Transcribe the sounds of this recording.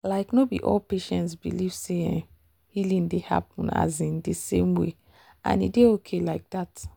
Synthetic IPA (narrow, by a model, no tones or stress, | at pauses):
laɪknobḭʔɔ̰lpeʃɛ̃ntsbiliv̥se | hilĩndeha̰p̚ũna̰zĩndisḛ̃mwḛ | ʔã̰nḭdeokʰelaɪk̚dat